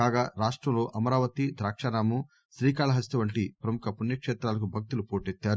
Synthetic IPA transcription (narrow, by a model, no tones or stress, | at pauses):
kaːɡaːɾaːʂʈɾɐmlo̞ːʔɐmɐɾaːʋɐt̪id̪ɾaːkʂɐːnaːmu | ʃɾiːkaːlɐɦɐst̪ɐʋɐɳʈipɾɐmukʰɐpunjɐkʂeːt̪ɾaːlɐk̬ubʱɐk̚t̪ulupoːʈet̪ːaːɾu